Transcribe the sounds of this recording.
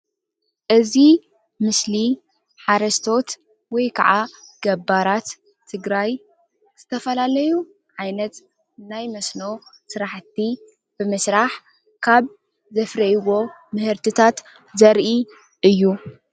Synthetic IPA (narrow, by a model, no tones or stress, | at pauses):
ʔɨzi | mɨsli | ħaɾɐʃt̪ʰo̞t̪ | wɔjkʰa̰ʕaɡ̥ɐbaɾat̪ʰː | ɨɡɾaj | z̥ɨt̪ʰɐfɐlalɐju | ʕajnɐt̪ | najmɐsno̞sɨɾaħt̪i | b̥ɨmɨsɾaħ | kʰaβ | zɐfɾɐjwo̞mɨhɨɾt̪ʰɨt̪ʰat̪ | zɐɾʔi | ʔɨjːu